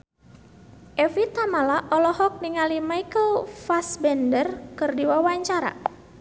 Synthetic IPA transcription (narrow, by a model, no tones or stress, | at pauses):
ʔɛfit̪amalaʔɔlɔhɔk̚niŋalimaikəlfasbɛndərkɨrdiwawaɲt͡ʃaɾa̰